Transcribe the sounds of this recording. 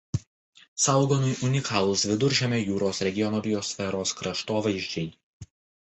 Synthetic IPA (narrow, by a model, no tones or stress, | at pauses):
sɐˑʊɡoːnʊjʔʊnʲɪkʰɑːlˠʊsʋʲɪd̪ʊɾʲʒʲɛmʲɛjuːɾoːsɾʲɛɡʲɪjɔnoːbʲɪjɔsʲfʲɛɾoːskɾɐʃt̪oːʋɐɪʒʲd͡ʒʲɛɪ